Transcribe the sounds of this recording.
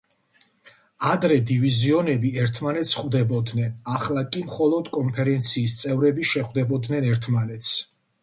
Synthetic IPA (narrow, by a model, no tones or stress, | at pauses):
ad̪ɾɛd̪iviziɔnɛbiɛɾt̪ʰmanɛt̪sχvd̪ɛbɔd̪nɛnaχlˠakʼimχɔlˠɔd̪kʼɔnpʰɛɾɛnt̪sʰiːst̪sʼɛvɾɛbiʃɛχwd̪ɛbɔd̪nɛnɛɾt̪ʰmanɛt̪sʰ